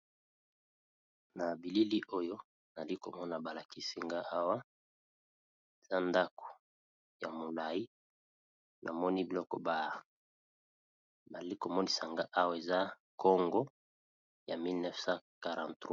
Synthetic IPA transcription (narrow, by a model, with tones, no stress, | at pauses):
na˨bi˨li˦li˦ʔo˦jo˦ | na˨li˦ko̰˨mɔ˦na˨ba˨la˨ki˦si˦ŋɡa˦ʔa˦wa˦ | e˨za˦nda˦ko̥˨ | ja̰˨mo˨la˨ji˦ | nʔa̰˨mɔ˦ni˦bi˨lɔ˦kɔ˨ba˨ | ba˨li˦ko˨mɔ˦ni˦sa˨ŋɡa˦ʔa˦wa˦˨e˨za˦ | kɔ˦ŋɡɔ˦ | ja˨mi˦lnɛ˦fsa˦ka˨ʁã˨ntʁ